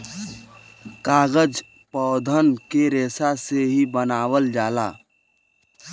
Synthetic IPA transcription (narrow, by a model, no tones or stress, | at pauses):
kaːɡəd͡ʒ | pɔd̪ʱənkeɾeːsaseɦibənaːwəld͡ʒaːla̰